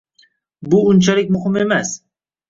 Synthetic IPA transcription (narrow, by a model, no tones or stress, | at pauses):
bʊʊnt͡ʃʰalɪk̚ʲmʊhɪmemas